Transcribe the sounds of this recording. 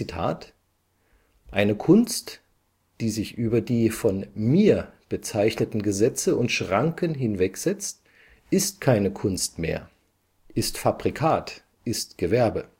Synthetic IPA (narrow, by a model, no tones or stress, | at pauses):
itʰa̰ːt | ʔaɪnəkʰʊnst | d̥iːzɪçʔyːbɐdiːfɔnmiːɐb̥ət͡saɪçnətn̩ɡəzɛt͡səʊntʃʁ̥aŋkənɦɪnvɛkz̥ɛt͡st | ʔɪst̚kʰaɪnəkʰʊnstmḛːɐ | ʔɪstfabʁikʰaːt | ʔɪstɡ̥əvɛɐbə